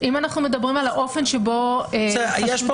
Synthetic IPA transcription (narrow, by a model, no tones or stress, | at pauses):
ʔimanaχnume̞dɐbʁimalaʔo̞fe̞nʃebo̞ejjeʃ